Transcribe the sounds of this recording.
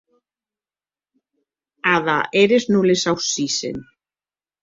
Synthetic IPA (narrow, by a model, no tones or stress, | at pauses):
aðaʔɛɾɪsnulɪsawsiːsɪ̰n